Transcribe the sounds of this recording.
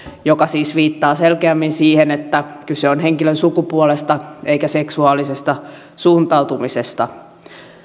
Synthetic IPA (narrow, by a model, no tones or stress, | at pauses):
jokɑsiːsʋiːt̪ːɑːselkeæmːinsiːhenet̪ːækyseonheŋkilønsukupuolest̪ɑeikæseksuɑːlisest̪ɑ | suːnt̪ɑuwt̪umisest̪ɑ